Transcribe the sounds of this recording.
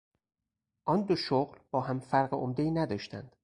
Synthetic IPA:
ʔɒnd̪oʃoɣlbɒːɦæmfæɾɢeomd̪eiːnæd̪ɒːʃt̪ʰæ̰nd̪̥

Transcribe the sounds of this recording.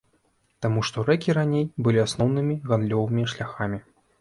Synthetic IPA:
t̪amuʂt̪ɔɾɛkʲiɾanʲejbɨlʲiasnɔwnɨmʲiɣand̪lʲɔvɨmʲiʂlʲaxamʲi

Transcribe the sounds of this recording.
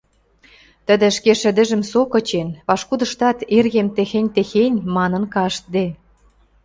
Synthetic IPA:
t̪ə̆d̪ə̆ʃkeʃə̆d̪ə̆ʒə̆msokɤ̆t͡ɕenpɑʃkud̪ə̆ʃt̪ɑt̪erɣemt̪exenʲt̪exenʲmɑnə̆nkɑʃt̪̚d̪e

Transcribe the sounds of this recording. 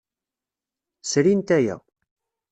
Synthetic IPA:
sɾint̪æjæ̰

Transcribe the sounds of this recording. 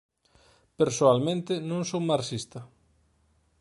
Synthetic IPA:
peɾsoalmẽnt̪ɪnõŋsowmaɾsist̪ɐ

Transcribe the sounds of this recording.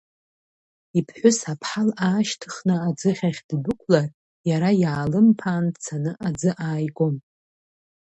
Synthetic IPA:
ipʰħʷᶣʊsapʰħalaːʃtʰɨχnɨad͡zɨχʲaχʲdbʷʊkʷʰlar | jaɾajaːlɨmpʰaːndt͡sʰanɨʔad͡zɨʔaːjɡʷʼom

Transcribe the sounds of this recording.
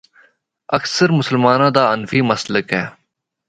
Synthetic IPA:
əksəɾmʊsəlmaːnãːd̪aːənfiːməsləkɦɛː

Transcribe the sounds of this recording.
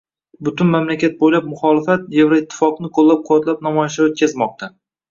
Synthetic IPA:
bʊt̪ʊnmamlakʲat̪̚bojlap̚mʊχɒlɪfat̪̚jevɾaɪt̪ʰːɪ̥fɒqnɪqʰolˠːap̚qʰʊwɒt̪lap̚namɒjaʃlaot̪̚kʲʰazmɒq̚t̪ʰa

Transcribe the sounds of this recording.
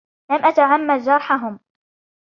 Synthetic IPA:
lamʔat̪aʕamːad̪d͡ʒɑɾˤħaɦʊm

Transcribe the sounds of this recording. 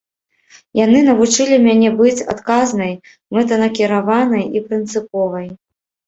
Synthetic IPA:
janɨnɐvut͡ʂɨlʲimʲanʲɛbɨt͡sʲa̰t̪kaznɐj | mɛt̪̬ɐnɐkʲiɾavanɐjipɾɨnt̪sɨpɔvɐj

